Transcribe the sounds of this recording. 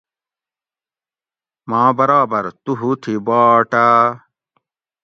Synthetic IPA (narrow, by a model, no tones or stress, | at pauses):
mãːbɐɾaːbɐɾt̪uɦut̪ʰibaːʈa